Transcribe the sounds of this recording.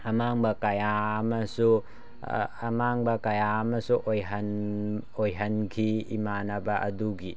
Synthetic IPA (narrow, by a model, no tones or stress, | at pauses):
ɐmaŋbɐkajaːmɐsu | maŋbɐkajamɐsuʔojɦɐnojɦɐnkʰiḭmanɐbɐʔɐ̰duɡi